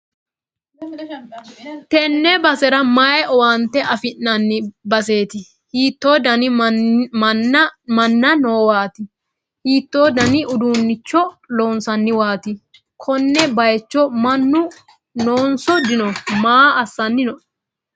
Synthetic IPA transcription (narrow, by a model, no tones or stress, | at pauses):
t̪ɛnːɛbɐsɛɾɐmajɛʔɔwaːnt̪ɛʔɐfɪnːɐnːɪbɐseːt̪ɪ | hiːt̪ːo̞ːd̪ɐnɪ | mɐnːɐnoːwaːt̪ɪ | hiːt̪ːoːd̪ɐnɪʔʊd̪uːnːɪt͡ʃːɔlo̞ːnsɐnːɪwaːt̪ɪ | kʰɔnːɛbɐjɛt͡ʃːɔmɐnːʊ | noːnsɔd̪ɪnɔmaːɐsːɐnːɪnɔʔ